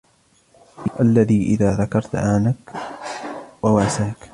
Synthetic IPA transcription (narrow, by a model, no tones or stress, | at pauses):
ʔalːaðiːʔɪ̰ðaːðakɑɾˤt̪ʔaːnak | wawaːsaːk